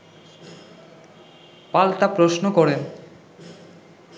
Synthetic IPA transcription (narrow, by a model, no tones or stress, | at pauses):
palt̪apɾoʃnokɔɾen